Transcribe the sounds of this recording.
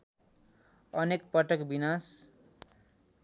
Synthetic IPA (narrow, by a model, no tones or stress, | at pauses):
ʌnekpʌʈʌkbinas